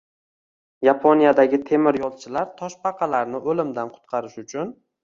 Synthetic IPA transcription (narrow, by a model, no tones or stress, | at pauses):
japʰonijad̪aɡʲɪt̪ʰe̞mɪɾjɒlˠt͡ʃʰɪlaɾt̪ʰɒʃpʰɑqʰɑlaɾnɪʔolɪmd̪anqʰʊ̥t̪̚qʰɑɾɪʃʊt͡ʃʰʊn